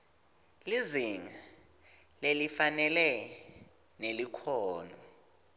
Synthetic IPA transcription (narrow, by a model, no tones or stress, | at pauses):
liziŋa | lelifanɛlɛ | nelikʰɔːnɔ